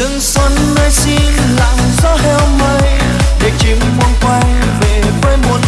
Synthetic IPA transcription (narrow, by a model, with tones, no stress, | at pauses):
ɨ˧˥ŋswə˧˦nːəː˧jsi˧n | la̰˧˨ŋzɔ˨˦˥hɛ˧wmə˧j | vɨ˨˩k̚t͡ɕi˨˦ŋmɔ˧nkwa˧j | ve˨˩fa˧jmu˧˩n